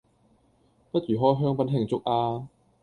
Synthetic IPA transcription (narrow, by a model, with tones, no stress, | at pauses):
pɐ˥t̚t͡ʃyː˨˩ɦɔː˥jɦœː˥ŋpɐ˨˥nɦɪ˨˩ŋt͡sʊ˥k̚ʔaː˧